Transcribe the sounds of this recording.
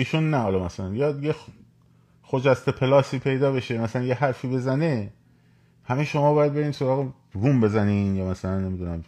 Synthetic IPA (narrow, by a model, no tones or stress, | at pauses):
iːʃunːæhɒːlɒmæsælænjɒːd̪je | xod͡ʒæst̪epʰe̞lɒːsiːpʰe̞jd̪ɒːbe̞ʃe̞mæsælænjehæɾfiːbe̞zæne̞ | hæmeʃo̞mɒːbɒːjæd̪̚be̞ɾiːnsoɾɒːɣe | vumbe̞zæniːnjɒːmæsælænːe̞mid̪unæm